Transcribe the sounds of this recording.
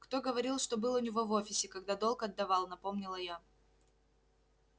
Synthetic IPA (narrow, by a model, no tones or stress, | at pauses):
kt̪o̞ɡəvɐɾʲilˠʂt̪o̞bɨlˠʊnʲɪvo̞vo̞fʲɪsʲɪkɐɡd̪ad̪o̞lˠkɐd̪ːɐvɑlˠnɐpo̞mnʲɪlˠəja